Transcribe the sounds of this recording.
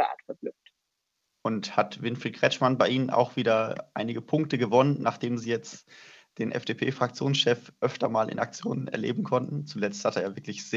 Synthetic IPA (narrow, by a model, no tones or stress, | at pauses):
ʔa̰ːtfɛɐblʏft | ʔʊnthatvɪnfɪlɡʁ̥ɛt͡ʃmanbaɪʔiːnəna̰ʊxv̥iːdɐʔaɪnɪɡəpʰʊŋk̚təɡəvɔnənːaːχd̥eːmziːjɛt͡std̥eːnʔɛ̰fd̥eːpʰeːfʁ̥ak̚t͡sjoːnsʃɛfʔœftɐmaːlʔɪ̰nak̚t͡sjo̰ːnənɛɐlḛːbm̩kʰɔntn̩t͡sulɛt͡sthateːɐvɪɐklɪçz̥eː